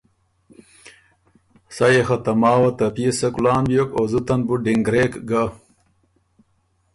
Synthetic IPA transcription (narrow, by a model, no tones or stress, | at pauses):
sajexɐt̪ɐmaːwɐt̪ɐpiesɐkulaːnbjokozut̪ɐnbuɖiŋɡɾeːkɡa